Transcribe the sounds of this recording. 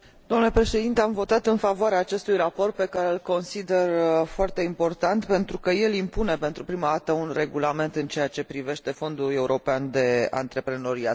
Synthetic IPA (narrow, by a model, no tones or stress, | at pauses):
d̪omnule̞pɾe̞ʃe̞d̪int̪e̞amvo̞t̪at̪ɨnfavoaɾeaːt͡ʃe̞st̪ujrapo̞rt̪̚pe̞kaɾeɨlko̞nsid̪e̞rfoart̪e̞impo̞rt̪ant̪pe̞nt̪ɾukəje̞limpune̞pe̞nt̪ɾupɾimad̪at̪əunre̞ɡulame̞nt̪ɨnt͡ʃe̞at͡ʃe̞pɾive̞ʃt̪e̞fo̞nd̪ule̞uɾo̞peand̪e̞a̰nt̪ɾe̞pɾe̞no̞ɾia̰t̪